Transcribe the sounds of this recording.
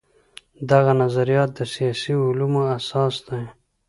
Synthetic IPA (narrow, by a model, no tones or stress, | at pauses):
d̪aɣanazaɾijɑt̪̚d̪əsijɑsiʊlumoasɑsd̪aj